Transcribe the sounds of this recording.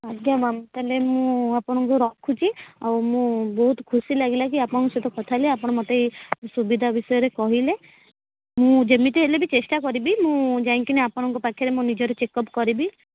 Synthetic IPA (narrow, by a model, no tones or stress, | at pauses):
adʱjamamt̪alemũapɔɽ̃ɔŋkuɾɔkʰːut͡ʃʰia̰wmũbɔɦut̪kʰusilaɡilakiapɔɽ̃ɔ̃kɔset̪ɔkɔt̪ʰaleapɔɽ̃ɔmɔt̪ejsubid̪ʱabisɔjɔɾekɔɦile | mũd͡ʒəmit̪iɦelebit͡ʃesʈakɔɾibimũd͡ʒaĩŋkineapɔɽ̃ɔŋkɔpakʰjɔɾemũnid͡ʒɔɾet͡ʃekɔpkɔɾibi